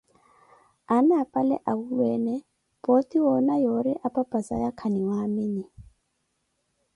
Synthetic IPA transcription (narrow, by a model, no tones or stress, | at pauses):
anaapʼalɛ̰ʔaulwɛːnɛ | pʼotiwɔnajoɾiʔapʼapʼasa̰jakʰaniwaːmɪni